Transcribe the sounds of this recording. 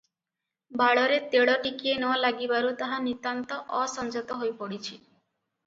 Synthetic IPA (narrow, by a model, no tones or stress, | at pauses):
baɭɔɾet̪eɽɔʈikienɔwalaɡibaɾut̪aɦanit̪ant̪ɔʔɔsɔnd͡ʒɔt̪ɔɦojpɔɽit͡ʃʰi